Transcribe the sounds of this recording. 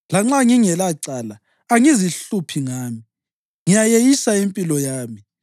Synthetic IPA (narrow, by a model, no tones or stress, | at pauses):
laŋ͡ǁaŋiŋɛlaǀalaː | ŋiziɬupʰiŋaːmi | ŋijajejisaempʼilɔjaːmi